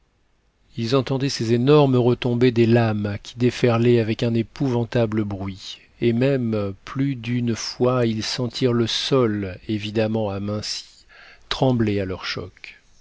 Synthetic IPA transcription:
ilzɑ̃t̪ɑ̃d̪ɛsezenɔʁməʁət̪ɔ̃bed̪elamkʲi̥d̪efɛʁlɛavɛkɛ̃nepuvɑ̃t̪abləbʁɥi | emɛmplyd̪ynfwailsɑ̃t̪ʰiʁləsɔlevid̪amɑ̃amɛ̃si̥ | t̪χɑ̃blealœʁʃɔ̰k

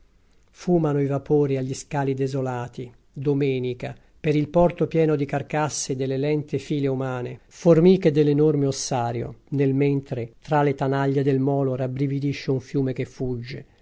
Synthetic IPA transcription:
fuːmanoivapoːɾiaʎːiskaːlid̪ezolaːt̪i | d̪omɛːnika | peɾilpɔrt̪opjɛːnod̪ikarkasːid̪elːelɛnt̪efiːleumaːneformiːked̪elːenormeosːaːɾjo̰nelment̪ɾet̪ɾalet̪anaʎːed̪elmɔːloɾabɾivid̪iʃːeuɱfjuːmekefːud͡ʒːe

